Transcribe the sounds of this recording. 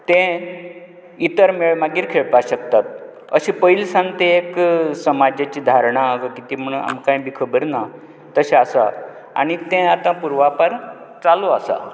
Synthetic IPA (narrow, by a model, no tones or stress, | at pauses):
t̪ẽ | it̪əɾmeɭmaɡiːɾkʰeɭpaɕək̚t̪at̪̚ | ə̰ɕĩpəilsãnt̪eeksəmad͡ʑat͡ɕiːd̪ʱaɾɳ̃aɡəkit̪iːm̤əɽua̰mkãĩbikʰəbəɾna | t̪əɕeasa̰ | a̰ɽ̃it̪ẽat̪ãpuɾʋapəɾ | t͡saloasa̰